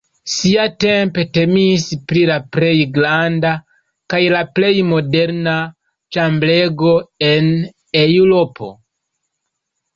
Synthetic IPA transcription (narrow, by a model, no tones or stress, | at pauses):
siate̞mpe̞te̞mispɾilaple̞jɡɾanda | kajlaple̞jmo̞de̞ɾna | t͡ʃamble̞ɡo̞e̞n | e̞uɾo̞po̞̰